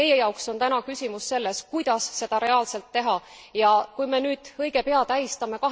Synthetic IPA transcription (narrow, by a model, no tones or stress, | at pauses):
ejejɑukso̞nt̪ænɑkysʲimusːe̞lːe̞skujd̪̥ɑsːe̞d̪̥ɑɾe̞ɑːlse̞lt̪ːe̞ɦɑ | jɑkujme̞nyːd̪̥ɤjɡ̥e̞pe̞ɑt̪æjist̪ɑme̞kɑɦ